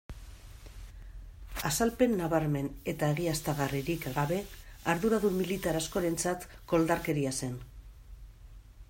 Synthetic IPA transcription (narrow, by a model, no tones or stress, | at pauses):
asalpe̞nːaβaɾme̞ne̞t̪aeɣiast̪aɣariɾikɡaβe̞aɾðuɾaðummːilit̪aɾasko̞ɾe̞nt͡sat̪ | ko̞ld̪aɾke̞ɾiase̞n